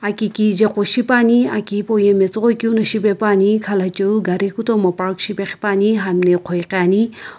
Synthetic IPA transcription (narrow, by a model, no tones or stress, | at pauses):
akikid͡ʒeqʷoʃipaniakipojemet͡sʁokʲunɐʃipepanikʰalat͡ʃəuɡaɾikut̪omɐpakʃipeχi̥paniɦamneqʰojqaːni